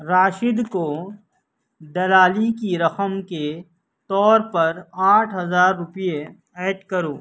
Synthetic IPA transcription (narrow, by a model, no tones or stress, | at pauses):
ɾaːʃɪd̪ko | d̪ɐlaːlikiɾɐqəmke | t̪ɔːɾpɐɾaːʈʰɦɐzaːɾːʊpije | ɛːʈkɐɾoː